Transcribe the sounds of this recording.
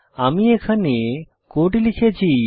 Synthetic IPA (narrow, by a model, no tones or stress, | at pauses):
amiekʰane | koʈilikʰet͡ɕʰi